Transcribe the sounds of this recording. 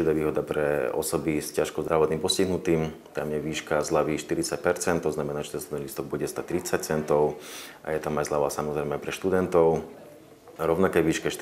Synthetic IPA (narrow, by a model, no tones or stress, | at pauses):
id̪aːʋiːɦɔd̪apɾɛɔ̰sɔbiscaʃkɔzd̪ɾaʋɔt̪niːmpɔsciɦnut̪iːm | t̪amjɛʋiːʃkazlaʋiːʃt̪iɾit͡sac̚pɛɾt͡sɛnt̪t̪ɔznamɛnaːʒɛt̪ɛnsud̪niliːst̪ɔɡ̚buɟɛst̪at̪ɾit͡sac̚t͡sɛnt̪ɔʊʔa̰jɛt̪amajzlaʋaːsamɔzɾɛjmɛajpɾɛʃt̪ud̪ɛnt̪ɔʊ | ɾɔʊnakɛjʋiːʃkɛʃ